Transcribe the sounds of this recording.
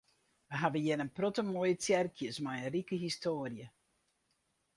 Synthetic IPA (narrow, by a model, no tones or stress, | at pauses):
ʋəɦavəjɪnənprotəmojətjɛrkʰjəsmajərikəɦistoːərjə